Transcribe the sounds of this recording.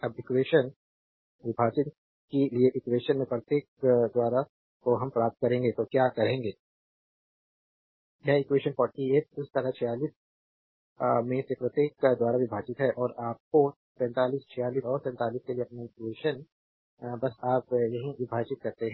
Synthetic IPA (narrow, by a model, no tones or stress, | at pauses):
ɐbɪkweːʃən | ʋɪbʱaːt͡ʃən | kelieʔɪkweːʃənmẽpɾɐt̪eːkd̪waːɾa | koɦɐ̃mpɾaːp̚t̪̚kɐɾẽːŋɡet̪okjaːkɐɾẽːŋɡeː | jɛɪkweːʃənfɔːɾʈieːt̪̚ɪst̪ɐɾat͡ʃʰɛjaːliːs | mẽsepɾɐt̪jeːkd̪waːɾabibʱaːt͡ʃɪt̪ɦɛʔɔːɾaːp̚ko | pɛ̃ːnt̪aːliːst͡ʃʰɛjaːliːsɔːɾpɛ̃ːnt̪aːliːskelieɐpneɪkweːʃən | bɐsaːpjɐɦĩʋɪbʱaːt͡ʃɪt̪̚kɐɾt̪eɦɛ̃ː